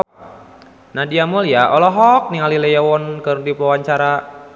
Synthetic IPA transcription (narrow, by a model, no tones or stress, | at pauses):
nadiamuljaʔɔlɔɦɔk̚niŋalilɛjawɔnkərdiplɔwaɲt͡ʃaɾa